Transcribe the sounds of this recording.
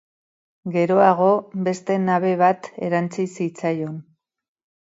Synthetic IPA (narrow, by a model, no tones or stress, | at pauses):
ɡe̞ɾo̞aɣ̞o̞βe̞st̪e̞naβ̞e̞β̞at̪e̞̰ɾant͡sisit͡sajo̞n